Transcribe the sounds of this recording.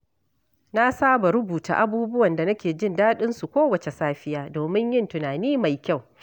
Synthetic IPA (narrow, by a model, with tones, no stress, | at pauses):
na˦saː˦ba˨ɾʊ˦buː˨ta̰˨ʔa˦buː˦bʊ˦wɐ˨nda˨nɐ˦kʲeː˨d͡ʒɪ˦ndaː˦ɗɪ˦nsu˨kʷoː˦wɐ˨t͡ʃe˨saː˦ɸɪ˦jaː˦doː˨mɪ˦ɲjɪ˦ntʊ˨naː˨niː˦ma˨jkʲa˦˨w